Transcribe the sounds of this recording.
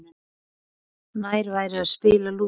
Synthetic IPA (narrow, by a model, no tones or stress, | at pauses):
nɪ | naːjɾvaːjɾɪaspɪːlalu